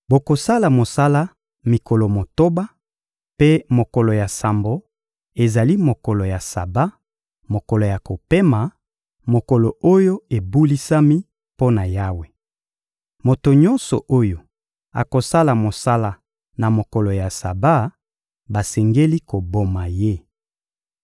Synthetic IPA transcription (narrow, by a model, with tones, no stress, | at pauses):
bo˨ko˨sa˦la˨mo˨sa˦la˦ | mi˨ko˨lo˨mo˨to˦ba˦ | pe˦mo˨ko˨lo˨ja˨sa˨mbo˨ | e˨za˨li˦mo˨kɔ˨lo˨ja˨sa̰˨ba˦ | mo˨kɔ˨lo˨ja˨ko˨pe˦ma˨ | mo˨ko˨lo˨o˦jo˦e˨bu˦li˦sa˦mi˦ | po˦na˨ja˦we˨ | mo˨to˨ɲɔ˦nsɔ̰˨ʔo˦jo˨ | a̰˨ko˨sa˦la˨mo˨sa˦la˨ | na˨mo˨kɔ˨lo˨ja˨sa̰˨ba˦ | ba˨sɛ˨ŋɡe˦li˦ko˨bo˨ma˨je˦